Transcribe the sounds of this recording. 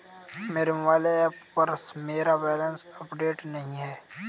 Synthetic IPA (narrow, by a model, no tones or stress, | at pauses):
meːɾɪmʋaːleɛːppɐɾsmeːɾabɛːlənsɐpɖeːʈnɐɦĩɦɛː